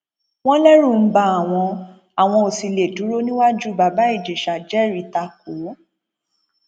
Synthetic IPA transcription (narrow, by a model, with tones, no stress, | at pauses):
w̃ɔ̃˦lɛ˦ɾũ˦˨m̩˦ba˧˦a˨w̃ɔ̃˧ | a˨w̃ɔ̃˧o˨si˨˧le˨du˨˦ɾo˦nĩ˦wa˦d͡ʒu˦ba˨ba˦i˦˨d͡ʒe˨ʃa˨d͡ʒɛ˦ɾi˨ta˧k̚o˨˦